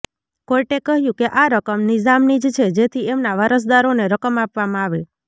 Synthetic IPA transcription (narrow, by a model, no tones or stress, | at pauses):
kojʈekəɦjũkeʔaɾəkəmnɪzamnid͡ʒt͡ʃʰed͡ʒet̪ʰiemnaʋəɾəs̬d̪aɾoneɾəkəmapʋamãaʋe